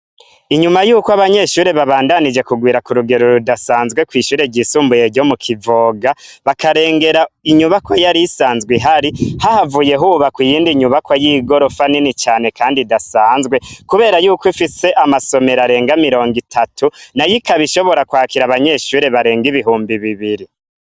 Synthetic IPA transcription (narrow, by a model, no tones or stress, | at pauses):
iɲumajuːkoaβaɲe̞ːʃuːɾeβaβaːndanid͡ʒe̞kuɡwiːɾakuɾuɡe̞ɾoɾudasaːnzɡwe̞kwiːʃuːɾeɟiːsuːmbujeɾɟo̞mukʰivoːɡaβakaɾe̞ːŋɡe̞ɾaiɲuβakwojaɾisaːnzɡwiɦaɾihahavuːje̞ɦuβakwijiːndiɲuβakwajiɡo̞ɾo̞faninit͡ʃaːne̞kaːndidasaːnzɡwe̞kuβe̞ːɾajuːkifise̞ʔamaso̞me̞ɾaɾe̞ːŋɡamiɾo̞ːŋɡitʰatʰunajikaβiʃo̞βo̞ɾakwaːkiɾaβaɲe̞ːʃuːɾe̞βaɾe̞ːŋɡiβiɦuːmbiβiβiɾi